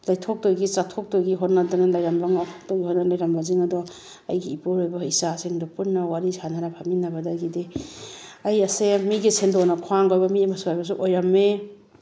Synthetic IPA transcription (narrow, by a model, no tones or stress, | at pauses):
lajtʰok̚dojɡit͡ʃatʰok̚tojɡiɦonːadɔnalajɾambaŋattoɡiɦonalajɾambaziŋadɔ | ɐjɡiipoɾojbɐisasiŋdɔpunːɐwaɾisʰanaɾapʰaminːabadaɡide | ajɐsemiɡisendonɐkʰwaŋɡojbɐmiajmasuɦajbas̬uʔojɾamːe